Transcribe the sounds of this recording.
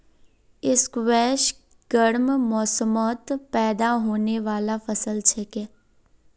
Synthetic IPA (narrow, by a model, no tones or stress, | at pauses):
ɪskʋɛːʃ | ɡ̥əɾmmɔːsəmɔːt̪pɛːd̪aɦoːneʋaːlafəsəlt͡ʃʰɛke